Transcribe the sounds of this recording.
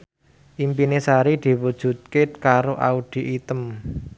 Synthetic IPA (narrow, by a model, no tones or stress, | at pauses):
ʔimpinesaɾid̪̥i̤wud̥ʒ̥ṳt̪̚kekaɾoʔa̰ud̪̥i̤ʔit̪əm